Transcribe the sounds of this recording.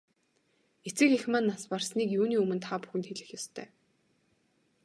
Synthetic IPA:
et͡sɘ̆xexmanːasparsniːkjuːniːɵmɘ̆nt̪ʰapu̥xɘ̆nt̪xeɮɘ̆xjɔst̪ʰœː

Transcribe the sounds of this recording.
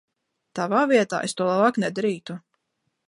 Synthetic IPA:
t̪avaːviɛt̪a̰ːʔest̪uɔlˠabaːknɛd̪aɾiːt̪u

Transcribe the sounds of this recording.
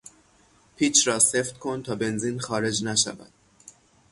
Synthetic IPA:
pʰiːt͡ʃʰɾɒːse̞ft̪̚kʰo̞nt̪ʰɒːbe̞nziːnxɒːɾe̞d͡ʒnæʃæ̰væ̰d̪̥̚

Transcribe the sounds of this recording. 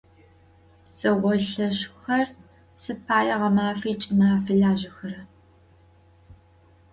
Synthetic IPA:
sɐwɔɬɐɕxɐr | sɨpʰaːjɐʁɐmaːfɐːt͡ʃʼɪmaːfɨɮaːʒɪxɐɾɐ

